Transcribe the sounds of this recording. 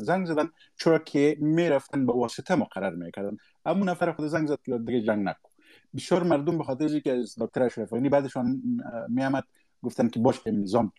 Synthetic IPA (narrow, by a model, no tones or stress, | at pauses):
zaŋɡzad̪an | t͡ʃʰʊɾɔkʰemeɾaft̪anbawɔsɪt̪ʰamʊqaɾa̰ɾmḛkaɾd̪an | amunafaɾaxʊd̪azaŋɡzad̪̚d̪ɪɡad͡ʒaŋɡna̰ku̥ | bɪsjɔɾmaɾd̪ʊmbaxɔt̪̬ɪɾazikɪazd̪ɔk̚t̪aɾaʃɾafɣɔnibad̪ɪʃɔnmeamad̪̚ | ɡʊft̪ankɪbɔʃɪmɪzɔm